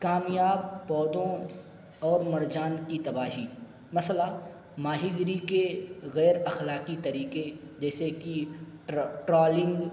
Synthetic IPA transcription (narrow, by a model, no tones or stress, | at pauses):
kaːmjaːb̚pɔːd̪õ | ɔːɾmɐɾd͡ʒaːnkit̪ɐbaːɦiː | mɐsla | maːɦiɡɾikeɣɛːɾɐxlaːkit̪ɐɾiːked͡ʒɛːseki | ʈɾaːlɪ̃ŋɡ